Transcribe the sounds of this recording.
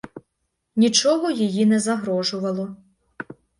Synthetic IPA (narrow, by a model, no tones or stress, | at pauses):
nʲit͡ʃɔɦɔjijinɛzɐɦɾɔʒʊʋɐlˠɔ